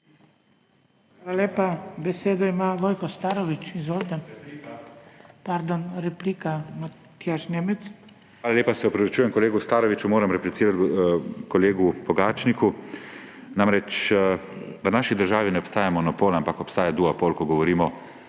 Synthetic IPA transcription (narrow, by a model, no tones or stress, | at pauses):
aːlaleːpabɛseːd̪ɔimaʋoːjkɔst̪aːɾɔʋit͡ʃizold̪a | paɾd̪ɔnɾɛplikama | t̪jaʃneːmɛt̪s | ʋaːlalʲjeːpasɛɔpɾɐʋit͡ʃuːjɛmkɔleːɡust̪aːɾɔʋit͡ʃumoːɾamɾɛplit̪siːɾat̪kɔleːɡupɔɡaːt͡ʃniku | namɾɛt͡ʃ | ʋənaːʃid̪əɾʒaːʋinɛɔpst̪aːjamɔnɔpoːlampakɔpst̪aːjad̪uapoːlkɔɡɔʋɔɾiːmɔ